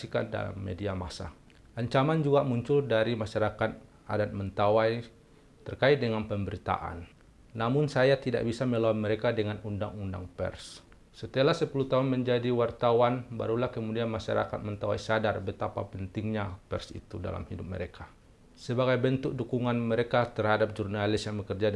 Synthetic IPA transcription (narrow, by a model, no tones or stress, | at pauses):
ika̰nda̰la̰mːḛdiamasa̰ | ʔaɲt͡ʃamand͡ʒuɡamuɲt͡ʃʊldaɾimaʃaɾakat̪̚ | a̰dat̪̚mənt̪awaj | t̪ərkait̪̚dəŋanpəmbəɾit̪a̰ʔa̰nː | amʊnsajat̪ida̰ʔbisaməlawanməɾekadəŋanunda̰ŋunda̰ŋpɛ̰rs | sət̪ialasəpulut̪aɦunməɲd͡ʒadiwart̪awanba̰ɾulahkəmudianmaʃa̰ɾa̰kat̪̚mənt̪awa̰jsadarbət̪apa̰pənt̪ɪŋɲapɛ̰rsḭt̪uda̰la̰mhidup̚mə̰ɾekʰa | səbaɡajbənt̪ʊk̚dukuŋanməɾekat̪ərhadap̚d͡ʒurnalɪsjaŋbəkərd͡ʒa